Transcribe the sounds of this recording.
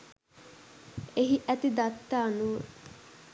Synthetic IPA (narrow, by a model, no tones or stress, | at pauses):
eɦiʔæt̪id̪at̪ːaːnuː